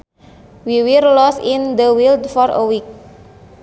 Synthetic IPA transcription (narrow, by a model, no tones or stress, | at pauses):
wiwillɔsind̪əwild̪fɔɾə̰wik̚